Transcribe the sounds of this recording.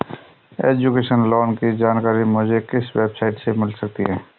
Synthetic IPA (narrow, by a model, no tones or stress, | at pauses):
ḛːd͡ʒukeːʃənlɔːnkid͡ʒaːnkaːɾimʊd͡ʒʱekɪsweːbsaːɪʈsemɪlsɐk̚t̪iɦɛ̃ː